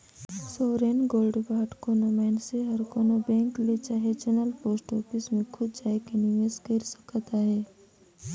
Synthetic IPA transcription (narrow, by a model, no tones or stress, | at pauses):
soːɾeːnɡoːlɖbaːʈkoːnomɛːnseɦɐɾkoːnobɛ̃ːŋklet͡ʃaːɦet͡ʃənəlpoːsʈɔːfɪsmẽkʰʊd̪̚d͡ʒaːekenijẽskɪɾsɐ̥kt̪aɦɛː